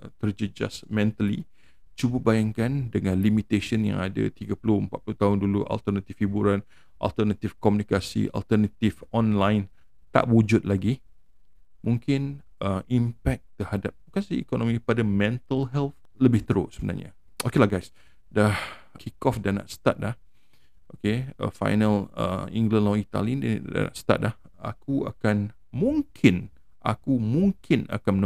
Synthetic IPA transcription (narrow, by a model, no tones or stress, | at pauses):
t̪əɾd͡ʒəd͡ʒa̰smɛ̃nt̪əlḭ | t͡ʃubəbajaŋkandəŋãnlimit̪eʃənjã̰ŋada̰t̪iɡapəlʊhəmpat̪̚plut̪aʊnduluʔa̰lt̪ərnat̪ifhibuɾan | ʔa̰lt̪ərnat̪ifkɔmjũnikasḭʔa̰lt̪ərnat̪ifɔ̃nlãjn | t̪a̰ʔwud͡ʒut̪̚laɡi | mũŋkɪn | ʔəimpɛk̚t̪əhadap̚bukansiikonõmikəpadamɛ̃nt̪əlɦɛlt̪ | ləbɪht̪əɾo̰səbəna̰rɲa̰ | okelahɡajs | dah | kʰikɔfdana̰ʔsə̥t̪a̰t̪̚lah | ʔokeə̰fa̰jnələ̰ḭ̃ŋɡlə̃nlɔit̪a̰lindada̰na̰ʔsə̥t̪a̰t̪̚lah | a̰kua̰kan | mũŋkʰɪn | ʔa̰kumũŋkʰɪna̰kanmn